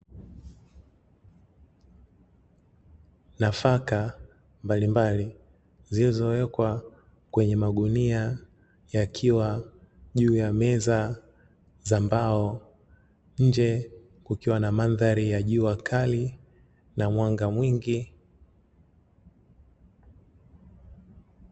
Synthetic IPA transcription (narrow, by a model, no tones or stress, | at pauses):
nafaka | mbalimbali | zilizɔwɛkwa | kwɛɲɛmaɡunia | jakʰiwa | ʄuːjamɛza | zambaɔ | ɲ̩d͡ʒɛ | kukiwanamanðaɾijaʄuakʰali | namwaŋɡamwiŋɡi